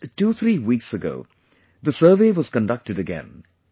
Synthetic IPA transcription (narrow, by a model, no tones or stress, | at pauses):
tuθɹiwiksɨɡo̰ʊ | ðɨsɜ˞veɪwʌz̥kə̃ndʌk̚tɨɾɨɡɛ̰̃n